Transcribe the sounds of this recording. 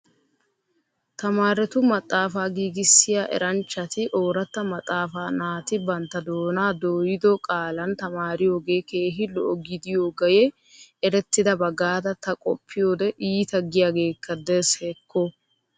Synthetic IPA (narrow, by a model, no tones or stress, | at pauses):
t̪ɐmaːɾɛt̪ʊmɐt̪ʼːaːfaːɡiːɡɪsːɪjaːʔɛ̰ɾɐnt͡ʃːɐt̪ɪʔo̞ːɾɐt̪ːɐmɐt̪ʼːaːfaːnaːt̪ɪbɐnt̪ːɐd̪o̞ːnaːd̪oːjɪd̪ɔkʼaːlɐnt̪ɐmaːɾɪjo̞ːɡe̞ːke̞ːɦɪlɔ̰ʔɔɡɪd̪ɪjoːɡɐjɛ | ɛɾɛt̪ːɪd̪ɐbɐɡaːd̪ɐt̪ɐkʼɔ̰pʰːɪjo̞ːd̪ɛʔiːt̪ɐɡːɪjaːɡe̞ːkːɐd̪ɛsheːkːɔ